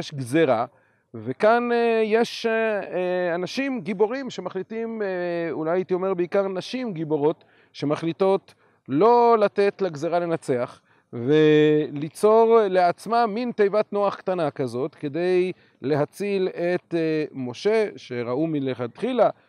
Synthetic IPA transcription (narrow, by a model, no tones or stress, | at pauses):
jeʃɡzeʁa | vekanje̞ʃ | anaʃimɡibo̞ʁimʃe̞maχlitimulajait̪io̞me̞ʁbeikaʁnaʃimɡibo̞ʁo̞t̪ | ʃe̞maχlito̞t̪ | lo̞lat̪e̞tlaɡzeʁale̞nat͡se̞aχ | velit͡so̞ʁle̞at͡smamint̪ejvatnoaχkt̪anakazo̞tke̞d̪ej | le̞ɦat͡silet̪mo̞ʃe̞ʃe̞ʁaumileχat̪χila